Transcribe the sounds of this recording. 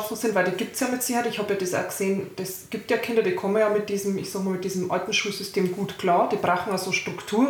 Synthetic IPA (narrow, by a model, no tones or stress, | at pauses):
tosɪntvaɪldiːɡ̥iːp̚tsjɑːmɪtsɪçəaɛɪçhɑːbjɑːdɛsa̰ɡ̥əz̥eːnd̥ɛsɡiːp̚tjɑːkʰɪndɐdiːkʰɔmənjɑːmɪt̚d̥iːzəm̩ɪçsɑːɡmaːlmɪtdiːzəmʔaltn̩ʃuːlz̥ʏstʰeːmɡuːtkʰlɑːɐd̥iːbʁaʊxn̩jɑz̥oːʃtʁ̥ʊktʰuːɐ